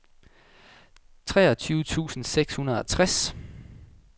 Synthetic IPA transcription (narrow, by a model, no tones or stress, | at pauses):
t͡sʰʁɛːɐt͡sʰyːʊət͡sʰṵːsn̩seɡ̥shunɐðˠɒt͡sʰʁas